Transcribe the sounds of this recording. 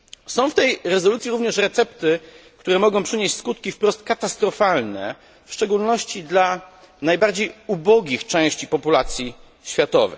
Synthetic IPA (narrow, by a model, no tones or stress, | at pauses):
sɔ̃w̃ft̪ɛjɾɛzɔlut̪sʲjiɾuvɲɛʂɾɛt̪sɛpt̪ɘkt̪uɾɛmɔɡɔ̃w̃pʂɘɲeɕt͡ɕʲskut̪kʲifpɾɔst̪̚kat̪ast̪ɾɔfalnɛ̰ | fʂt͡ʂɛɡulnɔɕt͡ɕid̪la | najbaɾd͡ʑejubɔɡʲixt͡ʂɛ̃w̃ɕt͡ɕipɔpulat̪sʲji | ɕfʲjat̪ɔ̰vɛ̰j